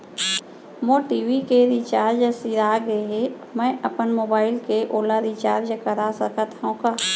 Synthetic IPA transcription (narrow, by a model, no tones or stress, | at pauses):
moːʈiːwikeɾit͡ʃaːɾd͡ʒəsiɾaːɡeɦe | mɛ̃ːʔəpənmoːbaːɪlkeʔoːlaɾit͡ʃaːɾd͡ʒəkəɾasəkət̪ʰõkaː